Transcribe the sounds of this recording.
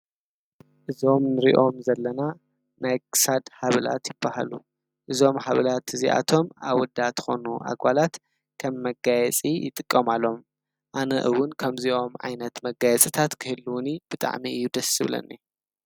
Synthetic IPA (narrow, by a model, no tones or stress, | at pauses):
ʔɨzo̞mnɨɾḭʔo̞mzɐlːɐna | najkʰɨ̥sad̪haβɨla̰t̪jɪbːaha̰lu | ʔɨzo̞mhaβɨlat̪ɨziʔa̰t̪ʰo̞maβwɔd̪at̪ʰɨ̥xo̞̰nuʔa̰ɡalat̪ | kʰɐmːɐɡajɛt͡sʼijɪ̰t̪ʼɨkʼːɐmalo̞m | ʔanɐʔɨwʊnkʰɐmziʔo̞mʕa̰jnɐt̪mɐɡajɛt͡sʼɨt̪ʰat̪kʰɨhɨlːuwʊnib̥ɨt̪ʼa̰ʕmiɨjːud̪ɐsɨβlɐ̰nːḭ